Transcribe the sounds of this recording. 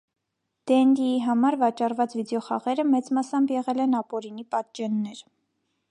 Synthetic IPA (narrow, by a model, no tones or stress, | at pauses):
d̪̥ɛnd̪iiɦɑmɑɾvɑt͡ʃɑrvɑt͡svid̪jɔχɑ̰ʁɛɾəmɛt͡smɑsɑmbjɛʁɛlɛnɑpɔɾinipɑt̪̚d͡ʒɛnːɛɾ